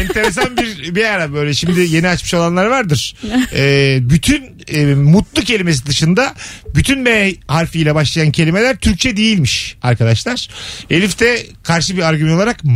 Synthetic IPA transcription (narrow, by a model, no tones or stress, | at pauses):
ɛnt̪ʰe̞ɾes̬anbiɾbejaɾabø̞jlʲɛʃimd̪ɪje̞niat͡ʃmɯʃo̞lˠanlˠaɾvaɾd̪ɯɾ̥ɛːbyt̪ʰyn | mut̪lˠucʰe̞lʲime̞s̬id̪ɯʃɯnd̪abyt̪ʰynmɛhaɾfɯjlʲɛbaʃlˠajancʰe̞lʲime̞lʲæɾt̪ʰyɾc̚t͡ʃʰɛd̪ejilʲmiʃa̰ɾkʰad̪aʃlˠaɾ̥elʲift̪ʰɛkʰaɾʃɯbiɾaɾɟymɛno̞lˠaɾak